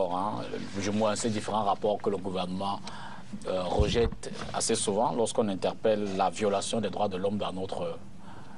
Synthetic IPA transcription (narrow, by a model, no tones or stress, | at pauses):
ɔʁɛ̃ | ʒəmwaɛ̃sɛd̪ifeʁɑ̃ʁapɔʁkələɡuvɛʁnəmɑ̃ | ʁəʒɛt̪ | a̰sesuvɑ̃lɔʁskɔ̃nɛ̃t̪ɛʁpɛlːavjɔlasjɔ̃d̪ɛd̪ʁwad̪əlɔmd̪ɛ̃not̪χə